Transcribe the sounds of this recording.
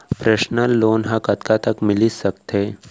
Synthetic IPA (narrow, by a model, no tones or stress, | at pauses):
pɾeʃnəlːoːnɦãkɐt̪kat̪ɐkmɪlisɐkt̪eː